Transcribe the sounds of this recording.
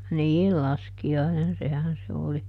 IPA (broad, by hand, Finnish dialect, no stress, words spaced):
niːl lɑskiɑinen sehæn se oli